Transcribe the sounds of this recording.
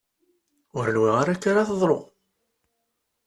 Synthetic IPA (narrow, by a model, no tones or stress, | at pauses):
ʊɾənwiʁaɾækːaɾaθəðˤɾˤo̰